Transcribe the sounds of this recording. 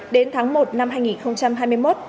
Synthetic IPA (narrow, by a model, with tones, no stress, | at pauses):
ɗe˨˦nt̪ʰaː˨˦ŋmo˨˩t̚na˧mɦaː˧jŋi˨˩nxə˧wŋ͡mt͡ɕa˧mɦaː˧jmɨ˧əjmo˦˥t̚